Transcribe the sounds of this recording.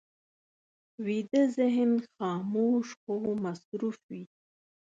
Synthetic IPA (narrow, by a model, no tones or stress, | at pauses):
wid̪əzɪɦnxɑːmoːʃxomasɾufwi